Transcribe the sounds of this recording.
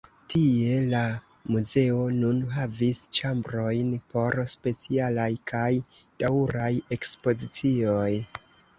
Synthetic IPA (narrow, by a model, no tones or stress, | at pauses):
tie̞la | muze̞o̞nunɦavist͡ʃambɾo̞jnpo̞ɾspe̞t͡sialajkʰajd̥awɾaje̞kspo̞zit͡sio̞j